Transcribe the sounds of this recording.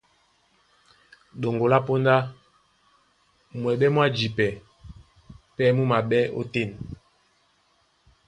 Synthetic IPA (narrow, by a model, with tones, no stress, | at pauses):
ɗo˨ŋɡo˨la˦po˦nda˦ | mwɛ˨ɓɛ˦mwa˦d͡ʒi˨pɛ˨ | pɛ˦mu˦ma˨ɓɛ˦o̰˦te˦˨n